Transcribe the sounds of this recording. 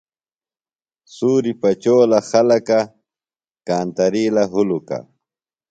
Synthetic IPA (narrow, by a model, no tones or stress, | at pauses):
suːɾipat͡ʃoːlaxalaka | kaːnt̪aɾiːlaɦʊluka̰